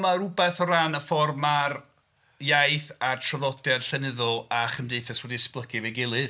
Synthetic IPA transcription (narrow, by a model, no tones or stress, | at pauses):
maɾʊbɛθɔɾanəfɔrmar | jajθartʰrəvɔdjarɬɛnɪðɔlˠaχəmdejθɛswɛdisplˠəɡɨveɡɪlˠɨð